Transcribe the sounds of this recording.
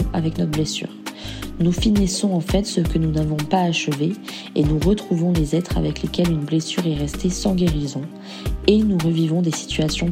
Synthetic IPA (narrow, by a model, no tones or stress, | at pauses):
avɛknɔt̪χblesy̰ːʁnufinisɔ̃ɑ̃fɛt̪səkənunavɔ̃paːʃəve | enuʁət̪χuvɔ̃lezɛt̪χa̰vɛklekʲɛlynblesyʁɛʁɛst̪esɑ̃ɡʲeʁizɔ̃ | enuʁəvivɔ̃d̪esi̥t̪ɥasjɔ̃